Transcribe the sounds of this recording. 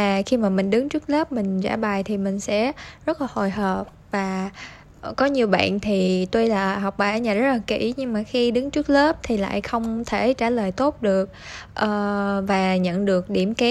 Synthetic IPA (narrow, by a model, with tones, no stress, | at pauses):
aː˨˩xi˧maː˨˩mï˨˩ŋ̟ɗɨ˨˦ŋt͡ɕɨ˦˥k̚ləː˦˥p̚mï˨˩ŋ̟za̰ː˧˩ɓa˨˩jt̪ʰi˨˩mï˨˩ŋ̟sɛ̰˧˥zə˦˥laː˨˩ho˧˨˩jɦəː˨˩p̚vaː˨˩ | kɔ˨˦ɲi˨˩əwɓa̰ː˧˨nt̪ʰi˨˩t̪o˧jlaː˨˩ɦɔ˨˩wk͡p̚ɓaː˨˩ʔə˧˦ɲaː˨˩zə˦˥t̚laː˨˩kḭ˧˩ɲɨ˧ŋmaː˨˩xi˧ɗɨ˨˦ŋt͡ɕɨ˦˥k̚ləː˦˥p̚t̪ʰi˨˩la̰ː˧˨jxə˧wŋ͡mt̪ʰe˧˩t͡ɕaː˧˩ləː˨˩jt̪o˦˥t̚ɗɨ˨˩ək̚ʔəː˨˩vaː˨˩ɲə̰˧˨nɗɨ˨˩ək̚ɗi˧˩əmkɛ˨˦